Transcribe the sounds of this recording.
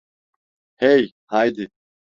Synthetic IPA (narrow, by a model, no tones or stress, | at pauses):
hej | hajd̪ɪ